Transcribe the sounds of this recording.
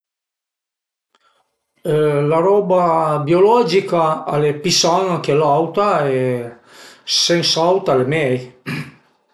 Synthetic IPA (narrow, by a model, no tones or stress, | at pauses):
laɾɔːbabjolɔd͡ʒikaːlepisaŋak̟elawt̪aɛ | sensawt̪alemɛj